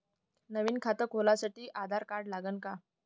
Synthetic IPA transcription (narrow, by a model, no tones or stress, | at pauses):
nəʋiːnkʰat̪əkɦolasaʈiːʔad̪ʱaɾkaɾɽlaɡənka